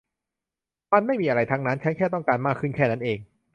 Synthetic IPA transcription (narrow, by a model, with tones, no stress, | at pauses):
ma˥˩nma˥˩jmiː˧ʔa˧ɾa˧jt̪ʰaː˧ŋna˦˥nt͡ɕʰa˦˥nkʰɛː˥˩t̪ɔ˥˩ŋkaː˧nmaː˥˩kʰːɯ˥˩nkʰɛː˥˩na˦˥nʔeː˨˧ŋ